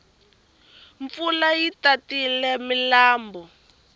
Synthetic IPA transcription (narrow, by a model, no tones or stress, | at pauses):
ɱfulajitatilɛmilaːmbɔ